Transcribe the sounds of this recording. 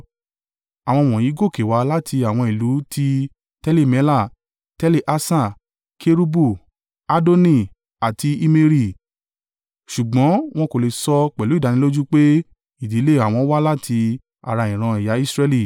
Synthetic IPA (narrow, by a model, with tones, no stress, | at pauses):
a˨w̃ɔ̃˧w̃ɔ̃˨ji˨˦ɡo˦˨ke˨wa˨˦la˦tʰi˧a˨w̃ɔ̃˧i˨lu˨˦ti˦ | tɛ˦le˦˨mɛ˨˦la˦˨ | tɛ˦le˦˨ʔa˦˧sã˦˨ | kʰe˦ɾu˦bu˦˨ | a˧do˦nĩ˧˨ | a˨ti˧i˧me˧ɾi˦˨ | ʃu˨ɡ͡bɔ̃˨˦w̃ɔ̃˦ko˨le˨sɔ˧k͡pɛ˨lu˨˦i˦˨da˧nĩ˦lo˦d͡ʒu˦k͡pe˦ | i˨di˨˦le˦˨a˦˨w̃ɔ̃˧˦wa˦la˦tʰi˧ | a̰˨ɾa˧ĩ˨ɾ̃ã˧ɛ˨ja˨˦i˦sɾɛ˧li˦˨